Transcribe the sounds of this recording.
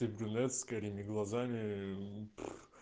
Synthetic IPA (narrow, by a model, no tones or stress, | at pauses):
ibɾʲunɛt̪skɐɾʲimʲɪɡlˠɐzamʲɪp